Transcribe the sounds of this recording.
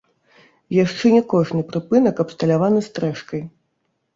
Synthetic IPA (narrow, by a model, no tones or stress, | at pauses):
jaʂt͡ʂɛnʲɛkɔʐnɨpɾɨpɨnɐkɐpst̪ɐlʲavanɨst̪ɾɛʂkɐj